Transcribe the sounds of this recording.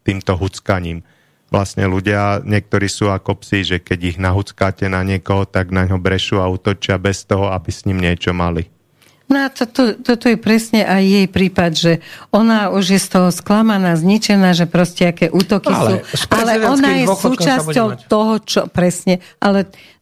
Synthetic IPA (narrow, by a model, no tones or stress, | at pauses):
t̪iːmt̪ɔɦut͡skaɲiːm | ʋlasɲɛ̰luɟɪaɲɪɛk̚t̪ɔɾiːsuːakɔpsiʒɛkɛɟiɣnaɦut͡skaːcɛnaɲɪɛkɔɦɔt̪aɡnaɲɦɔbɾɛʃuːauːt̪ɔt͡ʃɪabɛst̪ɔɦɔabisɲimɲɪɛt͡ʃɔmali | nɔat̪ɔt̪ɔt̪ɔt̪ɔjɛpɾɛsɲɛʔajːɛjpɾiːpad̪ʒɛɔnaːuʒjɛst̪ɔɦɔsklamanaːzɲit͡ʃɛnaːʒɛpɾɔscɛakɛːʔuːt̪ɔkisuːalɛɔnajɛssuːt͡ʃasɔʊt̪ɔɦɔt͡ʃɔpɾɛsɲɛʔalɛ